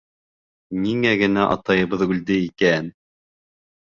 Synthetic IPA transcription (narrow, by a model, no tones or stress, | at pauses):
niŋæɡɘ̆næʔɑ̰t̪ɑjɤ̆βɤðɵ̆ld̪ɘikæn